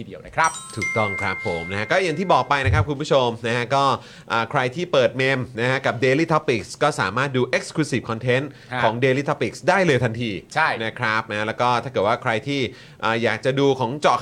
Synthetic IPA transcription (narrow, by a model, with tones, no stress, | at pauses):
i˧˩di˧əwna˥˩kʰa˦˥p̚t̪ʰuː˨˩k̚t̪ɔ˥˩ŋkʰɾa˦˥p̚ʰːo˩˦mna˦˥a˦˥kɔː˥˩ja˨˩ŋt̪ʰiː˥˩bɔː˨˩k̚pa˧jna˦˥kʰɾa˦˥p̚kʰu˧npʰu˥˩o˧mna˦˥kʰa˦˥kɔː˥˩ | ʔaː˨˩kʰɾa˧jt̪ʰiː˥˩pɤː˨˩t̪̚me˧mna˦˥kʰa˦˥ka˨˩p̚deː˧liː˥˩t̪ʰɔ˦˥pi˨˩k̚skɔː˥˩saː˩˦maː˥˩t̪̚duː˧ʔe˦˥k̚skʰluː˧si˨˩kʰɔ˧nt̪ʰe˦˥n | kʰɔː˩˦ŋdeː˧liː˥˩t̪ʰɔ˦˥pːi˨˩k̚sdaː˥˩jlɤː˧jt̪ʰa˧nt̪ʰiː˧t͡ɕʰa˥˩jna˦˥kʰɾa˦˥p̚na˦˥a˥lɛː˦˥wkɔː˥˩t̪ʰa˥˩kɤː˨˩waː˥˩kʰɾa˧jt̪ʰiː˥˩ | ʔaː˨˩jaː˨˩k̚t͡ɕa˨˩ʔduː˧kʰɔː˩˦ŋt͡ɕɔ˨˩